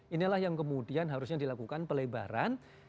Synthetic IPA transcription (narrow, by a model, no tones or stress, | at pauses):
inilahjaŋkəmudianɦaɾʊsɲadilakukanpəleba̰ɾa̰n